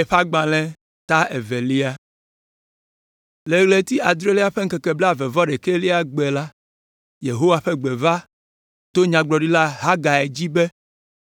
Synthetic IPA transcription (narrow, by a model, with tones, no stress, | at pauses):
e˨ɸa˦ɡ͡bã˨lɛ̃˦ | t̪a˦e˨ve˨li˦a˦ | le˨ɣle˨t̪i˦a˨d̪ɾe˦li˦a˦ɸe˦ŋ̩˦kɛ˨kɛ˨blɛ˦a˨vɛ˨vɔ˦ɖɛ˨ke˦li˦a˦ɡ͡be˨la˦ | je˨ɦo˦wa˨ɸe˦ɡ͡be˨va˦ | t̪o˦ɲã˨ɡ͡blɔ˨ɖi˦la˦ɦa˦ɡa˨e˨d͡ʑi˦be˦